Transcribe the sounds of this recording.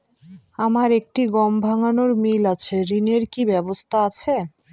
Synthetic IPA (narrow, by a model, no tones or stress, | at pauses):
amaɾek̚ʈiɡɔmbʱaŋanoɾmilat͡ɕʰeɾineɾkibɛbost̪ʰaat͡ɕʰe